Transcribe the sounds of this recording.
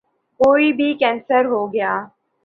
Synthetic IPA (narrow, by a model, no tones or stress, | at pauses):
koːibʱikɛ̃ːnsəɾɦoɡɐjaː